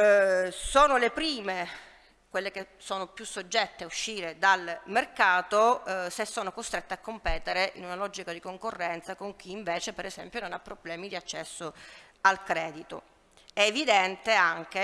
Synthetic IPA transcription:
soːnolepɾiːme | kwelːekesoːnopjusːod͡ʒːɛt̪ːeuʃːiːɾed̪almerkaːt̪osesːoːnokost̪ɾet̪ːeakːompɛːt̪eɾeʔḭnunalɔd͡ʒikad̪ikoŋkorːɛnt̪sakoŋkiːɱveːt͡ʃepeɾezɛmpjononapːɾoblɛːmid̪iat͡ʃːɛsːo | alkɾɛːd̪it̪o̰ | ɛːvid̪ɛnt̪eaŋk̟e

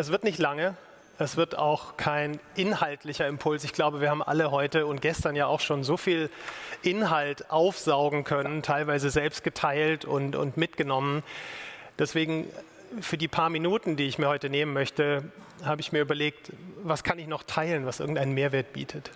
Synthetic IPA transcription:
ʔɛs̬v̥ɪɐtnɪçtlaŋə | ʔɛsv̥ɪɐta̰ʊxkʰaɪnʔɪnhaltʰlɪçɐɛmpʰʊlsɪçɡ̥laʊbəviːɐhaːm̩ʔa̰ləɦɔʏtəʊnt̚ɡ̥ɛstɐnjaːaʊxʃoːnzoːfiːlʔɪnɦaltʔaʊfz̥aʊɡŋ̩kʰœnəntʰaɪlvaɪzəzɛlpst̚ɡ̥ətʰaɪltʊntʊ̰ntmɪtɡ̥ənɔmən | d̥ɛsv̥eːɡŋ̩ | fyːɐdiːpʰaːɐminuːtn̩diːɪçmiːɐhɔʏtəneːmənmœçtə | haːbəɪçmiːɐʔyːbɐleːk̚tvaskʰanɪçnɔχtʰaɪlənvasʔɪ̰ɐɡŋ̩tʔaɪnənmeːɐveːɐt̚b̥ḭːtʰət

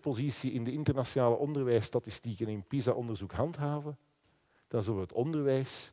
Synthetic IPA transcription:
pozisiɪndəɪntərnasjonaːləʔɔndərʋɛjstɑtɪstikənɪnpizaʔɔndərzukɦɑntɦaːvən | d̥ɑnzɵləʋəɦətɔndərʋɛjs

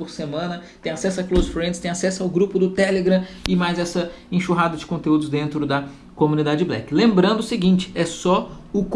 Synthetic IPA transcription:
oɾsemɐ̃nɐt̪ẽj̃asɛsʊɐklozfɾẽd̪ɪst̪ẽj̃asɛsʊawɡɾupʊd̪ʊt̪ɛleɡɾɐ̃ | ɪmajzɛsɐ | ẽʃuɦad̪ɐd͡ʒɪ̥kõnt̪eud̪ʊzd̪ẽnt̪ɾʊd̪ɐ | komunid̪ad͡ʒɪd͡ʒɪblɛ̰kɪlẽmbɾɐ̃nd̪ʊːsɪɡĩnt͡ʃɪ̥ɛsɔʊk

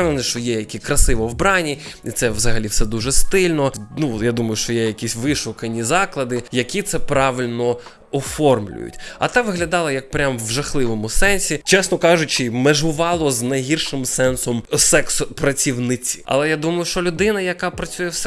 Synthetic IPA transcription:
ɛʋˠnɛʃt͡ʃɔjɛjɐkʲikɾɐsɪʋɔwbɾɑnʲiit̪sɛʋzɐɦɐlʲiwsɛd̪uʒɛst̪ɪlʲnɔnujad̪umɐjʊʃt͡ʃɔjɛjɐkʲisʲʋɪʃʊkɐnʲizɑklˠɐd̪ɪjɐkʲit̪sɛpɾɑʋɪlʲnɔ | ɔfɔrmlʲʊ̰jʊ̰tʲɐ̰t̪ɑʋɪɦlʲɐd̪ɑlˠɐjɐk̚pɾʲamʋʒɐxlˠɪʋɔmʊsɛnʲsʲit͡ʃɛsnɔkɑʒʊt͡ʃɪmeʒʊʋɑlˠɔznɐjɦirʃɪmsɛnsɔmsɛkspɾɐt͡sʲiwnɪt͡sʲi̥ɐ̰lˠɛjad̪umɐjʊʃt͡ʃɔlʲʊd̪ɪnɐjɐkɑpɾɐt͡sʲujɛwsɛ

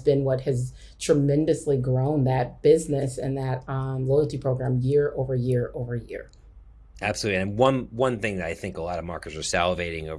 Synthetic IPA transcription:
bɨ̃nwʌt̚hɨz | tʰɹ̥ɨmɛ̃ndɨsliɡɹõʊ̃nðɨt̚b̥ɪznɨsɨ̰̃nðɨt̚loʊl̩ˠtipʰɹ̥oʊɡɹæ̃mjɪɹoʊvə˞jɪɹoʊvə˞jɪ̰ɹ | æb̥səlutˡliɨ̃nwʌ̃nwʌ̃nθɪ̃ŋðɨɾaɪθɪ̃ŋkəlɑɾəvmɑ̰ɹkə˞zə˞sælˠəveɪɾɪ̃ŋoʊ

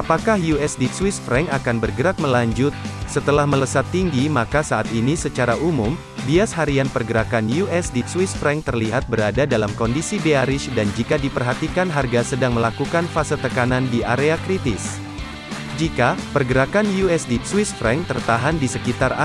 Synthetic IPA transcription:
apakahjuɛsdiswisfɾɛŋakanbərɡəɾak̚məlaɲd͡ʒʊt̪̚sət̪əlahmələsat̪ːiŋɡimakasaːt̪inisət͡ʃaɾaʔumʊm | biasɦaɾianpərɡəɾakanjuʔɛsdiswisfɾɛŋt̪ərliɦat̪̚bəɾadadalamkɔndisibeaɾɪʃdand͡ʒikadipərɦat̪ikanɦarɡasədaŋməlakukanfasət̪ːəkanandiʔaɾeakɾit̪ɪs | d͡ʒikapərɡəɾakanjuɛsdiswisfɾɛŋt̪ərt̪aɦandisəkit̪ara

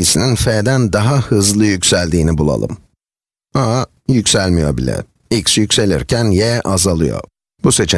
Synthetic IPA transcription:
isininfeːd̪ænd̪aɦahɯzlˠɯjycʲsælʲd̪iːnibulˠa̰lˠɯ̰m | a | jycsælʲmijo̞̰bḭlʲɛ̰ | icsjycʲse̞lʲḭɾcʰænjɛʔazalˠɯ̰jo̰ | buse̞t͡ʃʰe

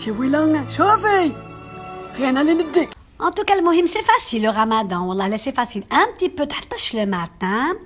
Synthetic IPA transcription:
ʃewilɑ̃ŋʃovej | ʁjɛ̃nalenəd̪ik | ʔɑ̃t̪ukaləmʊhimsefasilːoʁamad̪ɑ̃wlˤːɑlɛsefasilɛ̃b̚t̪ipøt̪ħə̥t̪ˤːəʃləmat̪ɛ̃

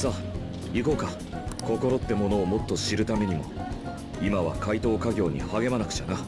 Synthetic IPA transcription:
sa | iko̞ːka | ko̞ko̞ɾo̞t̪ːe̞mo̞no̞ːmo̞t̪ːo̞ɕiɾɯ̟t̪ame̞ɲ̟imo̞̰ | imaβ̞a̰kait̪o̞ːkaɡʲo̞ːɲ̟ḭhaɡe̞manakɯ̟̥t͡ɕana

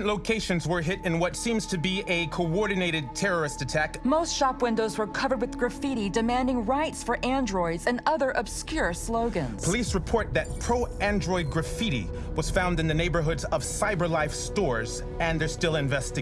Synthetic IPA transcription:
nloʊkʰeɪʃɨ̃nzwə˞ɦɪɾɨ̃nwʌtsĩmz̥tʰɨbiɨkʰoɔɹdⁿn̩eɪɾɨd̚tʰɛɹə˞ɨstɨtʰækmoʊstʃɑpwɪ̃ndoʊzwə˞kʰʌvə˞d̚wɨðɡɹɨfiɾidɨmæ̃ndɪ̃ŋɹaɪtsfə˞ʔæ̃ndɹɔɪdzɨ̃nʌðə˞ʔɨb̥skjʊɹsloʊɡɨ̃nz̥pʰəlisɹɨpʰɔɹt̪̚ðɨt̚pʰɹ̥oʊæ̃ndɹɔɪd̚ɡɹɨfiɾḭ | wʌz̥fãʊ̃ndɨ̃nðɨneɪbə˞ɦʊdzʌv̥saɪbə˞laɪfstɔɹz | ɨ̃nðə˞stɪlˠɨ̃ɱvɛstɪ

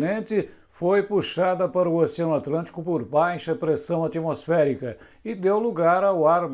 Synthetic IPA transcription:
nẽnt̪ɪ | fojpuʃad̪ɐpaɾɐuosiɐ̃nʊat̪lɐ̃t̪i̥kʊpoɾbajʃɐpɾesɐ̃w̃at̪imosfɛɾikɐ | ɪd̪ewluɡaɾawaɾm

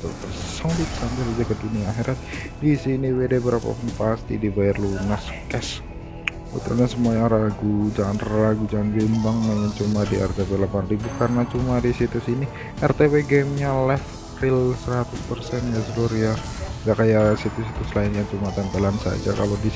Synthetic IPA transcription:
t̪ṵ | sabit̪sambɪɾad͡ʒakəduniaːxeɾat̪̚ | disiniwedebəɾapa̰punpast̪ḭdibajarlunaskɛs | bṵt̪ṵlɲasəmuɲaŋɾaɡud͡ʒaŋanraɡud͡ʒaŋanbimbaŋməŋant͡ʃumadiɛ̰rt̪ebelapandibukarənat͡ʃumadisit̪usini | ʔɛrt̪eweɡɛmɲalɛf | rɪlsəɾat̪ʊspərsɛnjasəɡuɾja | ɡakajasit̪usit̪usəlaɪnjaŋt͡ʃumat̪ɛmpelansa̰d͡ʒaka̰lodi

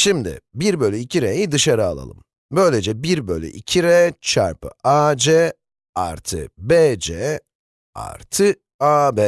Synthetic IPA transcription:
ʃimd̪ɪ̰biɾbø̞lʲyicʰiɾejid̪ɯʃaɾɯalˠa̰lˠɯ̰m | bø̞jlʲed͡ʒɛbiɾbølʲy̰ʔḭcʰiɾɛt͡ʃʰa̰ɾpɯ̰ʔaːd͡ʒɛ | a̰ɾt̪ʰɯ̰beːd͡ʒeː | a̰ɾt̪ʰɯ | aːbeː

